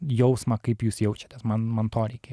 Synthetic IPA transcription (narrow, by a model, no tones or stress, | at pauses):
jowsmakipjusjowt͡ʃʰḁt̪ɛsmanmant̪ʰɔɾiki